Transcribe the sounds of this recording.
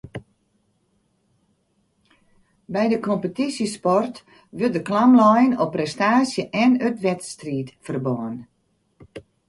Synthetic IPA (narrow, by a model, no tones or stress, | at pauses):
bɛjdəkʰɔmpətisəspɔrt | ʋøt̚dəklamlɔjənɔprɛstaːsjəʔɛnøtʋɛtstriːtfərbɔːən